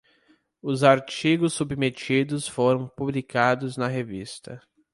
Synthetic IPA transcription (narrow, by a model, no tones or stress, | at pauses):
ʊzaɾt͡ʃiɡʊsubmet͡ʃid̪ʊsfoɾɐ̃w̃publikad̪ʊznɐɦevist̪ɐ